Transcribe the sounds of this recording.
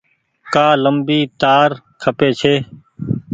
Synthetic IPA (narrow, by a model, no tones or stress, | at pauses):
kaːləmbiːt̪aːɾ | kʰəpeːt͡ʃʰeː